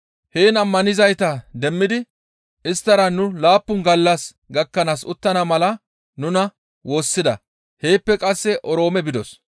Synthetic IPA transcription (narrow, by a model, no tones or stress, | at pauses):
heːnɐmːɐnɪzɐjt̪ɐd̪ɛmːɪd̪ɪ | ʔɪst̪ːɐɾɐnʊlaːpːʊnɡɐlːɐs | ɡɐkːɐnaːsʊt̪ːɐnɐmɐlɐ | nʊnɐ | wo̞ːsːɪd̪ɐ | he̞ːpːɛkʼɐsːɛʔɔɾo̞ːmɛbɪd̪ɔs